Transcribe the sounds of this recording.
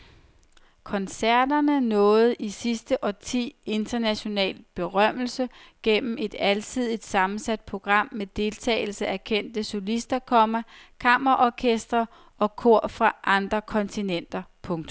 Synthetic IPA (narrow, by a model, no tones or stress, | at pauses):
kʰɒ̽nsæɐ̰d̥ɐnənɔ̽ːð̞̩ˠʔisisd̥əʔɒ̽t͡sʰḭːe̝nd̥ɐnæɕo̝nɛ̰ːlb̥e̝ʁɶm̰l̩səɡ̥en̰m̩e̝d̥ælt͡sʰið̞̰ˠid̥sɑ̈mn̩sæd̥̚pʰo̝ɡ̥ʁɑ̈m̰ːed̥e̝lt͡sʰɛ̰ːɪl̩səʔækʰen̰d̥əso̝lisd̥ɐkʰɒ̽mɐkʰɑ̈m̰ɐʔɒkʰesd̥ʁɐ | ɒ̽kʰo̝ɐ̰fʁɑ̈ʔɑ̈nd̥ʁɐkʰɒ̽nt͡sʰinen̰d̥ɐpʰɔ̽ŋt͡sʰm